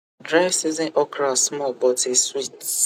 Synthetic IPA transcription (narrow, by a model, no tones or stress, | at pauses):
dɾaɪvsizɔ̃nʔɔkɾasmɔbɔteswit